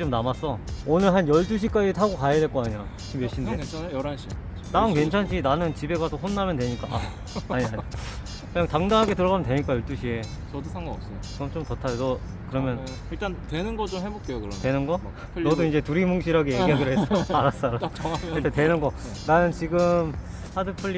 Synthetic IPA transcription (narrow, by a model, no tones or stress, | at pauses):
t͡ɕomnamas͈ʌonɯɭɦanjʌɭt͈uɕ̬ʰik͈ad͡ʑitʰaɡokajedwe̞ɭk͈oaɲia | ɕʰimjʌɕ͈indeɾanɕʰi | nankwe̞nt͡ɕʰanɕʰinanɯnt͡ɕibe̞ɡasʰoɸonːamjʌntwe̞ɲik͈aʔa | aɲiaɲ | kɯɲaŋtaŋdaŋɦaɡe̞tɯɾʌɣamjntwe̞ɲik͈ajʌɭt͈uɕʰie̞ | t͡ɕʌdosʰŋɡaʌp̚s͈ʌt͡ɕʌmt͡ɕ͈omtʌtʰajonʌ | kɯɾʌmjʌn | iɭt͈antwenɯnɡʌt͡ɕomhebop̚k͈ejokɯɾʌtwe̞nɯnɡʌ | nʌdoind͡ʑe̞tuɾimuŋɕʰiɾaɡejeɡiɦaɡɯɾɯɦes͈ʌaɾas͈aɾoiɭtʰetwe̞nɯnɡʌ | nanɯnt͡ɕiɡɯm | hadɯpʰɯʎːi